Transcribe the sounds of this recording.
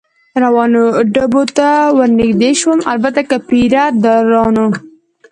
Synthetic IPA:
ɾawɑnoɖabot̪awəɾnɪkd̪eʃwəmalbat̪akapiɾad̪aɾɑno

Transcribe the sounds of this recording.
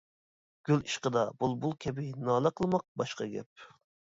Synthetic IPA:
ɡ̥ʲyliʃqəd̪ɑbulˠbulˠkʲʰɛbɪnɑːlˠəqʰəlˠmɑq̚bɑʃqɑɡʲɛ̰p̚

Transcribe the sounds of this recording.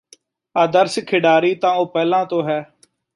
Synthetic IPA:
aːd̪əɾsɪkʰːɪɖaːɾiːt̪ãːoːpɛːlãːt̪õːɦɛː

